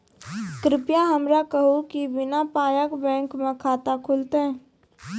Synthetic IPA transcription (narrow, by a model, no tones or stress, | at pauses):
kɾɪpjaɦɐmɾakəɦokibɪnapaːjəkbɛ̃ːŋkmẽkʰaːt̪akʰʊlt̪eɦɛ̃